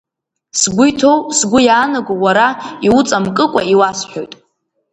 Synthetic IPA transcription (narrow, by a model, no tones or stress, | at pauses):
sɡʷʊjtʰo̞wsɡʷʊjaːnaɡowaɾaiwʊt͡sʼamkʼɨkʷʼaiwasħo̞jtʼ